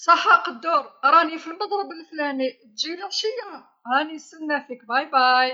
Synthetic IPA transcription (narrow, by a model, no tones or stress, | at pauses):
sˤɑħːɑqɑd̪ːʊɾˤɾˤɑnifilmɑd̪ˤɾˤɑbəlflænit̪ʒiliʃij | ænisənːæfik̚bɑjbɑj